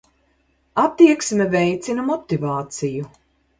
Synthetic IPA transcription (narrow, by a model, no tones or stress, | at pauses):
at̪ːiɛksmɛvɛjt̪sinɐmɔt̪ivaːt̪siju